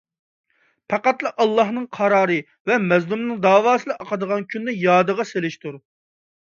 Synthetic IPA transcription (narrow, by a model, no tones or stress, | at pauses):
pʰɑqɑt̪lˠɑʔɑlˠːɑɦnɨŋqʰɑɾɑːɾɨ | vɛmɛzlˠumnɨŋd̪ɑːwɑːsɨd̪ɨʔɑqəd̪əʁɑnkʲʰynːɪjɑːd̪əʁɑselɪʃt̪uɾ